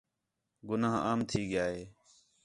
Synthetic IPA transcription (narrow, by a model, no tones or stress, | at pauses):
ɡʊnaːɦaːmt̪ʰiːɡɪjaːɦeː